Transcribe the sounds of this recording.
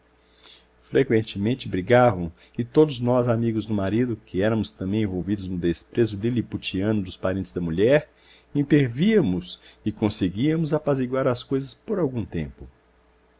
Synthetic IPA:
fɾekwẽnt͡ʃɪmẽnt͡ʃɪbɾiɡavɐ̃w̃ | kɪt̪od̪ʊznɔzamiɡʊzd̪ʊmaɾid̪ʊkɪɛɾɐmʊst̪ɐ̃mbẽj̃ẽvowvid̪ʊznʊd̪espɾezʊliliput͡ʃiɐ̃nʊd̪ʊspaɾẽnt̪ɪzd̪ɐmuʎɛɾ | ĩnt̪eɾviɐmʊsɪkõseɡiɐmʊzapaziɡwaɾɐskojzɐspoɾawɡũt̪ẽmpʊ

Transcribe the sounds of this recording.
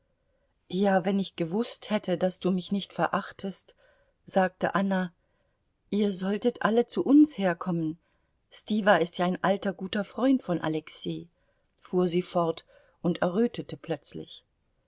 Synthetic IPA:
jaːvɛnɪçɡ̥əvʊsthɛtʰədasd̥uːmɪçnɪçtfɛɐʔaχtʰəst | z̥aːk̚tə̰ʔana | ʔiːɐzɔltətʔalət͡suʔʊnsheːɐkʰɔmən | stiːvaɪstjaːaɪnʔaltɐɡuːtɐfʁ̥ɔʏntfɔnʔa̰lɛksiː | fuːɐziːfɔɐt | ʔʊntɛɐʁ̞øːtətəpl̥œt͡slɪ̰ç

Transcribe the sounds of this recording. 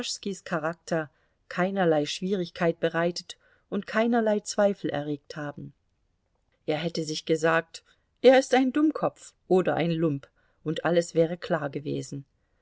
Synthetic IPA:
ʃskiskʰaʁak̚tʰɐ | kʰaɪnɐlaɪʃv̥iːʁ̞ɪçkʰaɪt̚b̥əʁaɪtət | ʔʊntkʰaɪnɐlaɪt͡sv̥aɪfl̩ʔɛ̰ɐʁeːk̚thaːbm̩ | ʔeːɐɦɛtəzɪçɡ̥əzaːk̚t | ʔeːɐɪstaɪndʊmkʰɔp͡fʔoːdɐʔa̰ɪnlʊmp | ʔʊntʔaləsv̥ɛːʁ̞əkʰl̥aːɐɡəvḛːzn̩

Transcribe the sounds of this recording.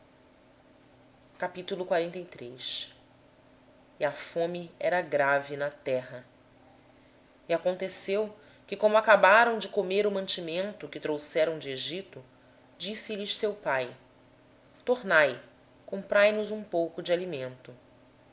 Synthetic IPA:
kapit̪ulˠʊkwaɾẽnt̪ejt̪ɾejs | iɐfõmiɛɾɐɡɾavinɐt̪ɛɦɐ | iakõnt̪esew | kɪkõmʊakabaɾɐ̃w̃d͡ʒɪkomeɾʊmɐ̃t͡ʃimẽnt̪ʊkɪt̪ɾowsɛɾɐ̃w̃d͡ʒɪeʒit̪ʊ | d͡ʒisɪʎɪʃsewpaj | t̪oɾnaj | kõmpɾajnʊzũpowkʊd͡ʒɪalimẽnt̪ʊ

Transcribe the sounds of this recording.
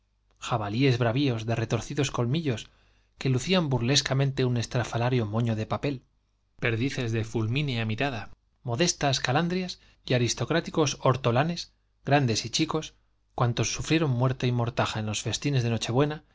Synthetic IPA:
xaβalie̞zβɾaβio̞zðe̞re̞t̪o̞ɾθiðo̞sko̞lmiʎo̞s | ke̞luθiambuɾle̞skamẽ̞nt̪e̞une̞st̪ɾafalaɾjo̞mo̞ɲo̞ðe̞pape̞l | pe̞ɾðiθe̞zðe̞fulmineamiɾaða | mo̞ðe̞st̪askaland̪ɾjas | iaɾist̪o̞kɾat̪iko̞so̞ɾt̪o̞lane̞s | ɡɾand̪e̞sit͡ʃiko̞s | kwant̪o̞sːufɾje̞ɾo̞mːwe̞ɾt̪aimo̞ɾt̪axaenlo̞sfe̞st̪ine̞zðe̞no̞t͡ʃe̞βwe̞na

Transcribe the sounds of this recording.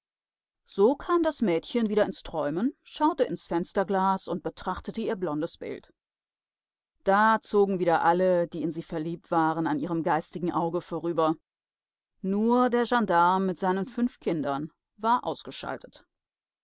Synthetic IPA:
z̥oːkʰaːmdasmɛːtçənviːɾɐɪnstʁ̥ɔʏmənʃaʊtəʔɪnsfɛnstɐɡlaːsʊnt̚b̥ətʁ̥aχtətəiːɐblɔndəsb̥ɪ̰lt | d̥aːt͡soːɡŋ̩viːdɐʔalədiːɪnziːfɛɐliːp̚tv̥aːʁənanʔiːʁəmɡaɪstɪɡŋ̩ʔaʊɡəfoːʁyːbɐ | nuːɐdeːɐʒandaɐmɪtz̥aɪnənfʏnfkʰɪndɐn | vaːɐʔa̰ʊsɡ̥əʃa̰ltʰət

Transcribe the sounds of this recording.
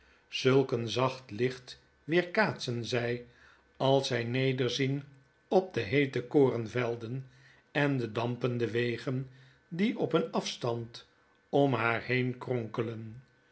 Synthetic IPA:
z̥ɵlˠkənzɑχtlɪχt | ʋɪːɹkaːtsənzɛj | ɑlˠsɛjnejdəɹzin | ɔb̚dəɦejtəkoːrənvɛlˠdən | ɛndədɑmpəndəʋejχən | diɔpənɑfstɑnt | ɔmɦaːɹhejnkrɔŋkələn

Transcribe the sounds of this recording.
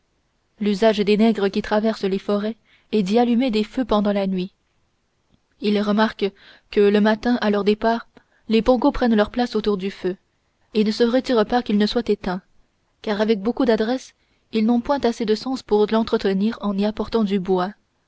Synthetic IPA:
lyzaʒd̪enɛɡʁəkʲit̪χavɛʁslefɔʁɛ | ɛd̪ialymed̪eføpɑ̃d̪ɑ̃lanɥi | ilʁəmaʁk | kələmat̪ɛ̃ʔalœʁd̪epaːʁ | lepɔ̃ɡopχɛnlœʁplasot̪uʁd̪yfø | enəsəʁət̪iʁəpakʲilnəswat̪et̪ɛ̃ | kaːʁavɛk̚bokud̪ad̪ʁɛs | ilnɔ̃pwɛ̃t̪ased̪əsɑ̃spuʁlɑ̃t̪χət̪əniːʁɑ̃niapɔʁt̪ɑ̃d̪ybwa

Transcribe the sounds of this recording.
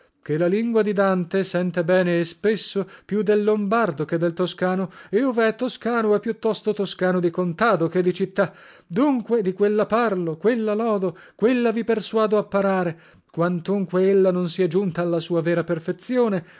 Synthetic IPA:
k̟elːaliŋɡwad̪id̪ant̪esɛnt̪ebɛːneːspesːopjud̪ːelːombard̪oked̪ːelt̪oskaːnoeoveɛt̪ːoskaːnoɛpːjut̪ːɔst̪ot̪oskaːnod̪ikont̪aːd̪oked̪ːit͡ʃit̪ːa | d̪uŋkwed̪ikwelːaparlokwelːalɔːd̪o | kwelːaviperswaːd̪oapːaɾaːɾe | kwant̪uŋkweelːanonsiɛd͡ʒunt̪aːlːasuːavɛːɾaperfet̪sjoːne

